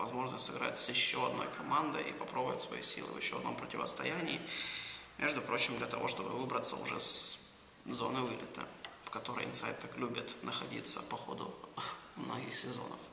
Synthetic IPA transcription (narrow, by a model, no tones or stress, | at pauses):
vɐzmo̞ʐnəsʲt̪ʲsɨɡɾa̰tʲsjɪɕːoɐd̪no̞̰jkʰɐmand̪ɨʔḭpɐpɾobʊvʲɪt̪svɐ̰jḭsʲil̰ˠvjɪɕːo̞ɐd̪no̞mpɾətʲɪvəst̪ɐjænʲɪː | mʲʔeʐd̪ʊpɾo̞t͡ɕɪmd̪lʲət̪ɐvo̞ʂt̪o̞bɨvɨbɾət̪səʊ̰ʐɛs | zo̞nɨvɨlʲɪt̪ə̰fkɐt̪o̞ɾɨ̰jɪ̰nsajt̪ʰːaklʲubʲɪt̪nʔəxɐdʲḭt̪səpɐxod̪ʊ | mnoɡʲɪxsʲɪzo̞̰nə̰f